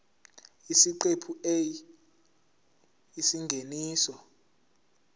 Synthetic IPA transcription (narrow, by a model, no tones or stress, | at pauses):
isiǃepʰuej | isiŋɡʱeniːsɔ